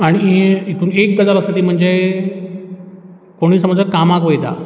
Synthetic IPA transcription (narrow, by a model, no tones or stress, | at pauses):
aɽ̃iẽit̪uːnek̚ɡəd͡zaləsət̪iːm̤əɳd͡ʑe | koɽ̃iːsəməd͡zəɾkamakʋojt̪a̰